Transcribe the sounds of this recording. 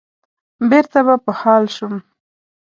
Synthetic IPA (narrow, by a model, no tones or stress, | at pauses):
beɾt̪aβapəhɑlʃum